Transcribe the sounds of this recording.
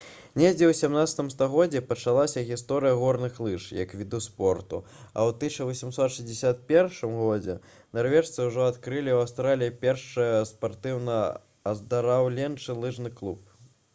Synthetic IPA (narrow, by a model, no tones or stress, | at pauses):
nʲɛd͡zʲɛwsʲamnat̪sɐ̥t̪ɨmst̪aɣɔd͡zʲɛpɐt͡ʂalˠasʲɐɣʲist̪ɔɾɨjɐɣɔrnɨxlˠɨʂjɐ̰kvʲid̪uspɔrt̪ṵɐ̰wt̪ɨʂɐvɐsʲimsɔt̪ʂɨzʲd͡zʲɪsʲat̪̚pʲɛrʂɨmɣɔd͡zʲɛ̰ | narvʲɛʂt̪sɨwʐɔat̪kɾɨlʲiwawst̪ɾalʲijipʲɛrʂɨjɐspart̪ɨwnɐ | ɐzd̪ɐɾawlʲɛnt͡ʂɨlˠɨʐnɨklˠup̚